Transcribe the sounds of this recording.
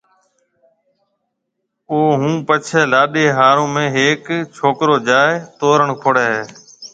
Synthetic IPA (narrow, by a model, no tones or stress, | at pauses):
oːɦũːpət͡ʃʰeːlaːɗeːɦaːɾõːmẽːɦeːkt͡ʃʰoːkɾoːd͡ʒaːet̪oːɾəɳkʰoɽeːɦeː